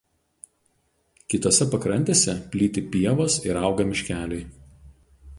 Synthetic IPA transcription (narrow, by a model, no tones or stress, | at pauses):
kʲɪt̪oːsʲɛpɐkɾɐnʲt̪ʲeːsʲɛpʲlʲiːt̪ʲɪpʲiɛʋoːsɪɾɑˑʊɡɐmʲɪʃʲkʲæːlʲɛɪ